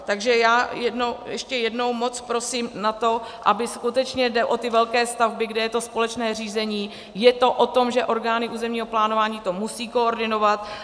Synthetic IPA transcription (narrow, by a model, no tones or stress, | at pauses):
t̪aɡʒɛjaːjɛdnowjɛʃcɛjɛdno̞wmo̞t͡spɾosiːmnat̪o̞ʔa̰bɪskut̪ɛt͡ʃɲɛdɛʔo̞t̪ɪvɛlkɛːst̪avbɪɡdɛjɛt̪o̞spo̞lɛt͡ʃnɛːr̝iːzɛɲiː | jɛt̪o̞ʔot̪o̞mʒɛʔo̞ɾɡaːnɪʔuːzɛmɲiːɦo̞plaːno̞vaːɲiːt̪o̞musiːko̞oɾdɪno̞vat̪